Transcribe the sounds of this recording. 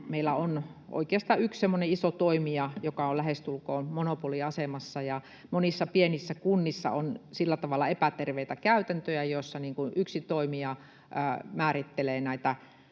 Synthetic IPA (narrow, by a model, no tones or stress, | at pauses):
meilːˑæonʔo̰ikeɑst̪ɑːykssemːoneisot̪oimiɑjokɑolæhest̪ulkoːmonopoliɑsemɑsːɑjɑ | monisːɑpienisːækunːisːɑ̰onsilːæt̪ɑʋɑlːˑɑepæt̪erʋeit̪ækæyt̪ænt̪øjæjoisːɑniːŋkunʔyksit̪oimiɑ | əːmæːrit̪ːeleːnæit̪æ